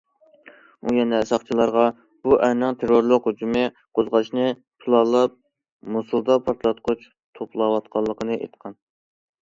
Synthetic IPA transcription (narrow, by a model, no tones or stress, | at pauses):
ujɛnɛsɑχt͡ʃʰilˠɑɾʁɑ | b̥uʔɛnɨŋt̪ʰeɾoɾlˠəqhud͡ʒumɨ | qʰozʁɑʃnɨ | pʰɨlˠɑlˠːɑp̚ | musulˠd̪ɑpʰɑɾt̪lˠɑt̪̚qʰʊt͡ʃ | t̪ʰopʰlˠɑwɑt̪̚qʰɑlˠːəqʰənɨʔḛt̪qʰɑn